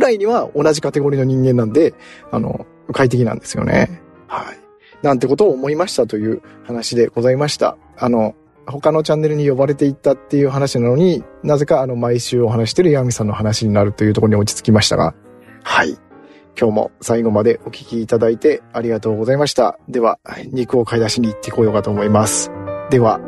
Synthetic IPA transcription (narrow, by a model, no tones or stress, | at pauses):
ɯ̟ɾaiɲ̟iβao̞naʑikat̪e̞ɡo̞ɾʲino̞ɲ̟ĩŋɡẽ̞nːãnd̪e̞ano̞̰ | ɯkait̪̬e̞kʲinã̰nd̪e̞sɨjo̞̰ne̞̰ | hai | nãnt̪e̞ko̞t̪o̞ːmo̞imaɕi̥t̪at̪o̞jɯ̟ːhanaɕid̪e̞ɡ̥o̞zaimaɕi̥t̪a̰ | ano̞ | ho̞kano̞t͡ɕãnːe̞ɾɯɲ̟ijo̞baɾe̞t̪e̞it̪ːat̪ːe̞jɯ̟ːɦanaɕinano̞ɲ̟inaze̞kaːno̞maiɕɨːo̞ɦanaɕi̥t̪eɾɯ̟iamʲisãnːo̞ɦanaɕiɲ̟inaɾɯ̟t̪ːo̞jɯ̟t̪okoɾɲio̞t͡ɕi̥t͡sɨ̥kʲimaɕi̥t̪a̰ɡa̰ | haḭ | kʲo̞ːmo̞̰saiɡo̞mad̪e̞ʔo̞kʲi̥kʲiːt̪ad̪ait̪e̞aɾʲiɡat̪o̞ːɡo̞zaimaɕi̥t̪a̰d̪e̞β̞aɲ̟ikɯ̟o̞kaid̪aɕiɲ̟iːt̪ːeko̞ːjo̞kat̪o̞ːmo̞imasɨ̥d̪e̞βa